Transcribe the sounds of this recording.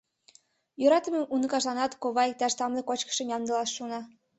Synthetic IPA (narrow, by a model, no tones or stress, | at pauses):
jøɾɑt̪ə̆memʔunɤ̆kɑʃlˠɑnɑt̪koβɑek̚t̪ɑʃt̪ɑmlʲekot͡ɕkə̥̆ʃə̆mjɑnd̪ɤ̆lɑʃːonɑ